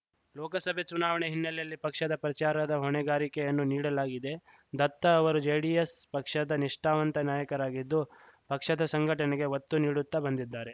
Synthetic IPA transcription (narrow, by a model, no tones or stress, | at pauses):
lɔːkɐsɐbʱet͡ʃunaːʋɐɳeɦinːɐljɐlːipɐkʂɐd̪ɐpɾɐt͡ʃaːɾɐd̪ɐɦɔɳɛɡaːɾikɛjɐnːuniːɽɐlaːɡid̪e̞ | d̪ɐt̪ːɐːʋɐɾud͡ʒɐjɽijɐspɐkʂɐd̪ɐniʂʈaːʋɐnt̪ɐnaːjɐkɐɾaːɡid̪ːu | pɐkʂɐd̪ɐsɐŋɡʱɐʈɐneɡe̞ʋɐt̪ːuniːɽut̪ːɐbɐnd̪id̪ːaːɾe̞